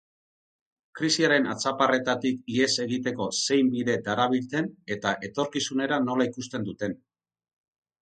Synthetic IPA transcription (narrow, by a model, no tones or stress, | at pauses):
kɾisiaɾe̞na̰t͡sapare̞t̪at̪ikie̞se̞ɣit̪e̞ko̞se̞jmbiðe̞d̪aɾaβ̞ilt͡s̪e̞ne̞t̪aʔe̞t̪o̞ɾkisune̞ɾano̞laikust̪e̞nd̪ut̪e̞n